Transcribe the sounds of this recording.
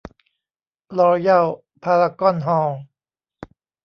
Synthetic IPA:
lɔː˧ja˥˩w | pʰaː˧ɾa˧kɔ˥˨nɦɔː˧˩ŋ

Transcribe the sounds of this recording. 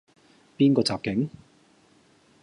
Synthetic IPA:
piː˥nkɔː˧t͡saː˨p̚kɪ˨˥ŋ

